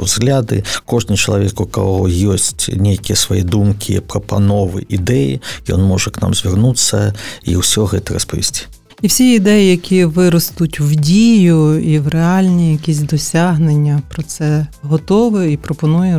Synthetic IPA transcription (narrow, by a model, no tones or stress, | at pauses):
zɣlʲad̪ɪ̰kɔʐnʲit͡ʃɐlˠɐʋʲɛkukɐ̰ɦɔjɔsʲtʲnʲejkʲijɛsʋɐjḭd̪umkʲʰḭpɾɐpanɔʋɨ̰ʔid̪ɛjḭjɔ̰nmɔʐɛkna̰mzʲʋʲɪrnut̪sːɐḭwsʲɔɣɛt̪ɨrɐ̰spɔʋʲḭsʲdʲi̥ | iwsʲiid̪ɛjijɐkʲiʋɪɾɔst̪ʊtʲwdʲijʊiwreɑlʲnʲijɐkʲisʲd̪ɔsʲaɦnenʲːɐpɾɔt̪sɛɦɔt̪ɔʋɨipɾɔpɔnujɛ